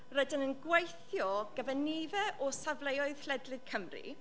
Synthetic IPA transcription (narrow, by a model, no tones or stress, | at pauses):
rədɪnənɡwejθjɔɡ̥əvənivɛʔɔsavlejɔɨð̥l̥ɛdlˠɨd̥̚kʰəmrḭ